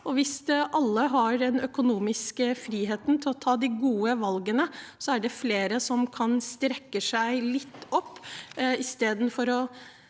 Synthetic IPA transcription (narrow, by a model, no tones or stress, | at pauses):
ɔʋɪsʔɑlːəɦɑɾɛnœkʊnuːmɪskəfɾiːɦeːt̪nt̪ʰɪlɔt̪ʰɑːd̪ɪɡuːəʋɑlɡənəsɔæɖɛfleːɾəsɔmkʰɑnst̪ɾɛkːəsæɪlɪt̪ːɔpːɪst̪eːd̪n̩fɔɾɔ